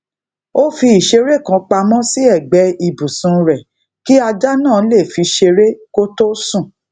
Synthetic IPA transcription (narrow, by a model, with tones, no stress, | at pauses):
o˦fi˧i˨ʃe˧ɾe˦˨kã˨˧k͡pa˧mɔ̃˦si˦ɛ˦˨ɡ͡bɛ˨˦i˧bu˨sũ˨˦˧ɾɛ˨ | ki˦a˧d͡ʒa˦nã˦˨˦le˦˨fi˧ʃe˧ɾe˦ko˦to˦sũ˦˨